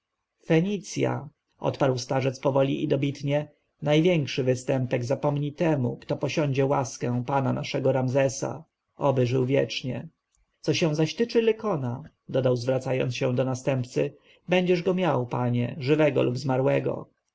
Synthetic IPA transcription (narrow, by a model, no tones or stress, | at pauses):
fɛɲit̪sʲja̰ | ʔɔ̰t̪paɾwst̪aʐɛt̪spɔvɔlʲḭʔid̪ɔbʲit̪ɲɛ | najvʲjɛŋkʂɘvɘst̪ɛmpɛɡzapɔmɲit̪ɛmukt̪ɔpɔɕɔ̃ɲd͡ʑɛwaskɛ̃w̃pananaʂɛɡɔɾamzɛsa̰ | ɔbɘʐɘwvʲjɛ̰t͡ʂɲɛ̰ | t̪sɔɕɛ̃w̃zaɕt̪ɘt͡ʂɘlɛkɔna | d̪ɔd̪awzvɾat̪sajɔ̰nt̪ɕɛ̃w̃d̪ɔnast̪ɛmpt̪sɘ | bɛɲd͡ʑɛʐɡɔmʲjawpaɲɛ̰ʐɘvɛɡɔ̰lubzmaɾwɛɡɔ̰